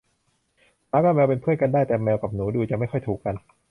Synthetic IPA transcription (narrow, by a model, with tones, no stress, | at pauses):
maː˦˥kɔː˥˩mɛː˧wpe˧npʰɯ˥˩ənka˧ndaː˥˩jt̪ɛː˨˩mɛː˧wka˨˩p̚nuː˩˦duː˧t͡ɕa˨˩ma˥˩jxɔ˥˩jt̪ʰuː˨˩kːa˧n